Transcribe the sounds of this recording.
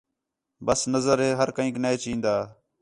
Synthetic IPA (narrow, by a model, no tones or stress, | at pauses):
bəsnəzəɾɦeːɦəɾkəɦĩːkneeːt͡ʃĩːnd̪aː